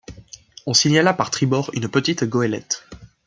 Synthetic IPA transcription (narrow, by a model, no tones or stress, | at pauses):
ɔ̃siɲalapaʁt̪χibɔʁynpət̪it̪ɡɔɛlɛ̰t̪